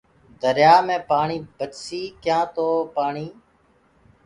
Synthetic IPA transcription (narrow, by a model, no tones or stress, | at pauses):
d̪əɾjaːmẽːpaːɳiːbət͡ʃsiːkjãːt̪oːpaːɳiː